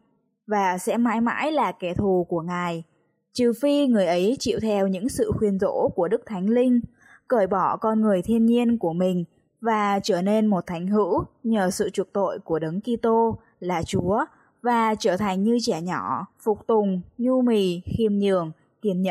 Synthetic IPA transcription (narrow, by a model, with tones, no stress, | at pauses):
vaː˨˩sɛ̰˧˥ma̰ː˧˥jma̰ː˧˥jlaː˨˩kɛ˨˦t̪ʰu˨˩ku˧˩əŋaː˨˩j | t͡ɕɨ˨˩fi˧ŋɨ˨˩əjʔə˨˦jt͡ɕḭ˧˨wt̪ʰɛ˧wɲɨ̰˧˥ŋsɨ̰˧˨xwi˧ənzo̰˧˥ku˧˩əɗɨ˦˥k̚t̪ʰa˨˦jŋ̟lï˧ŋ̟ | kəː˧˩jɓɔ˧˩kɔ˧nŋɨ˨˩əjt̪ʰi˧ənɲi˧ənku˧˩əmï˨˩ŋ̟ | vaː˨˩t͡ɕəː˧˩ne˧nmo˨˩t̚t̪ʰa˨˦jŋ̟ɦɨ̰˧˥wɲəː˨˩sɨ̰˧˨t͡ɕu˨˩ək̚t̪o̰˧˨jku˧˩əɗə˨˦ŋki˧t̪o˧ | laː˨˩t͡ɕu˨˦ə | vaː˨˩t͡ɕəː˧˩t̪ʰa˨˩jŋ̟ɲɨ˧t͡ɕɛ˧˩ɲɔ˧˩fʊ˨˩k͡p̚t̪ʊ˨˩ŋ͡mɲu˧mi˨˩xi˧əmɲɨ̰˧˩˨əŋ | t̪i˧˩ənɲə̰˧˨